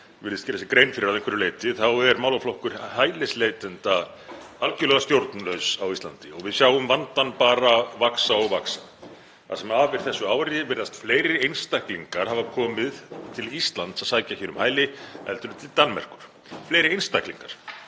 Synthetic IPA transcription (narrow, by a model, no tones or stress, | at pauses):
ɪɾðɪstcɛɾðɛsɪkɾejnfɪɾɪɾawðẽjŋkvɛɾʏleːjt̪ɪθawɛɾmaːwlaflohkʏɾ̥haːjlɪslejt̪ɛnt̪a | alcʏlœɣast̪jowɾt̪nlœɥsawist̪lant̪ɪɔɣvɪðsjawʏmvant̪anpaːɾavaksaɔɣvaksa | θa̰ðsɛmaːvɪɾ̥θɛsːʏaːwɾɪvɪɾðast̪fleːjɾɪejnst̪ahkliŋkaɾ̥havakʰɔːmɪðt̪ʰɪlist̪lant̪saðsaːjcaçɛːɾʏmhaːjlɪɛ̰lt̪ʏɾʏmt̪ʰɪlt̪anːmɛ̰r̥kʏɾ̥ | flejɾɪejnst̪ahkliŋkaɾ̥